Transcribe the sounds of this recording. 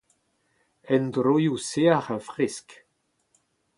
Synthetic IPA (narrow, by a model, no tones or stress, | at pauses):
ɛndɾojuseaχafʁɪsk